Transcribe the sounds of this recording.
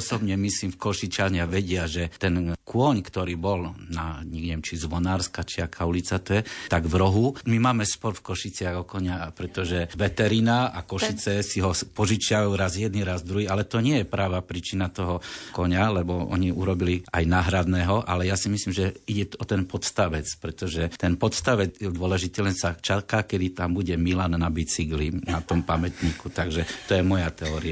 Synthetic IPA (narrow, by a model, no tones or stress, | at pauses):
sɔbɲɛmisliːmfkɔʃit͡ʃaɲaʋɛɟɪaʒɛt̪ɛnkʊɔɲkt̪ɔɾiːbɔlnaɲɛɲɛɛmt͡ʃizʋɔnaːɾskat͡ʃiakʰaulit͡sat̪ɔjɛt̪aɡʋɾɔɦumimaːmɛspɔɾfkɔʃit͡sɪaɣɔkɔɲapɾɛt̪ɔʒɛʋɛt̪ɛɾinaakɔʃit͡sɛsiɦɔpɔʒit͡ʃɪaʋajuɾazjɛd̪niɾazd̪ɾuɦiːalɛt̪ɔɲɪɛjɛpɾaʋapɾiːt͡ʃinat̪ɔɦɔkɔɲalɛbɔɔ̰ɲiʔuɾɔbiliʔajnaːɦɾad̪nɛːɦɔʔa̰lɛjasimislimʒɛiɟɛɔt̪ɛnpɔt̪st̪aʋɛt͡spɾɛt̪ɔʒɛt̪ɛnpɔt̪st̪aʋɛd͡zjɛd̪ʊɔlɛʒit̪ilɛnsat͡ʃakakɛd̪it̪ambuɟɛmilanːabit͡siɡlinat̪ɔmpamɛt̪ɲiːkut̪aɡʒɛt̪ɔjɛmɔjat̪ɛɔːɾia